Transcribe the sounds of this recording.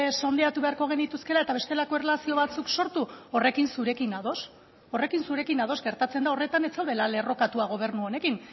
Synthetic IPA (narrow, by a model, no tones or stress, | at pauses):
so̞nd̪e̞at̪uβe̞aɾko̞ɣ̞e̞nit̪uske̞lae̞t̪aβe̞st̪e̞lako̞erelasio̞βat͡sukso̞ɾt̪uo̞re̞kinsuɾe̞kinaðo̞s | o̞re̞kinsuɾe̞kinað̞o̞zɡe̞ɾt̪at͡se̞nd̪ao̞re̞t̪anet͡sawðe̞lale̞ro̞kat̪uaɣ̞o̞β̞e̞ɾnuo̞nekin